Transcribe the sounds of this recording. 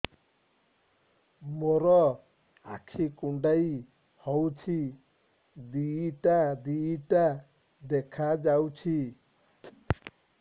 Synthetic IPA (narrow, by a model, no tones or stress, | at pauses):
moɾɔ | a̰kʰikuɳɖaj | hɔwt͡ʃʰi | d̪iiʈad̪iiʈa | d̪ekʰad͡ʒawt͡ʃʰi